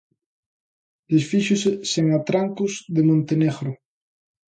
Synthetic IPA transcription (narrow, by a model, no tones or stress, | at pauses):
d̪esfiʃʊseseŋat̪ɾaŋkʊzðemõnt̪eneɣɾʊ